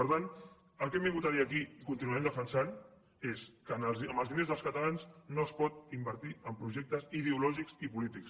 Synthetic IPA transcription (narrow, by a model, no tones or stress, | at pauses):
pəɾt̪an | əlˠkɛmbiŋɡut̪aðiəkikunt̪inuɛmd̪əfənsan | eskənələməlˠðinezðəlˠskət̪əlanznoəspɔt̪̚imbəɾt̪iəmpɾuʒɛk̚t̪əzið̞eulɔʒiksipulit̪iks